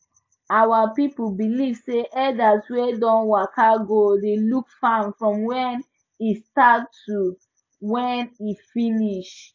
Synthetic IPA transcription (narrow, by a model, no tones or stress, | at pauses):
awapipubiliv̥seʔɛdaswedɔ̃nwakaɡodelukfamfɹɔ̃mwɛn | istattu | wɛ̃nifiniʃ